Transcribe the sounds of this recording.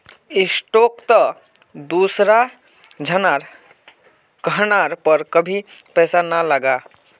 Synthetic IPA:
ɪsʈokt̪ə | d̪usɾa | d͡ʒʱənaɾ | kəɦnaɾpəɾkəbʱipɛːsanaləɡa

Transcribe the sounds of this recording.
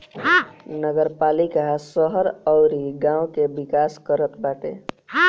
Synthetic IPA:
nəɡəɾpalikasəɦəɾəwɾiɡãũkebikaskəɾət̪baʈḛ

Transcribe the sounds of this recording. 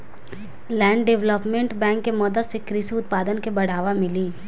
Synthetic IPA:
lɛ̃ːɳɖɖeʋləpmẽɳʈbɛ̃ːŋkːemɔːd̪əsekɾɪsiʊt̪̚paːd̪ənkebɐɽ̤aːʋamɪliː

